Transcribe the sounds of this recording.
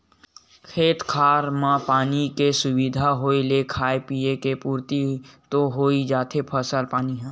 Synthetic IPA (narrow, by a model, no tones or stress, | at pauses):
kʰeːt̪kʰaːɾmãpaːnikesʊwid̪ʱaɦoːilekʰaːepijekepuːɾt̪it̪oɦoːid͡ʒaːt̪ʰepʰəsəlpaːniɦɛ̃ː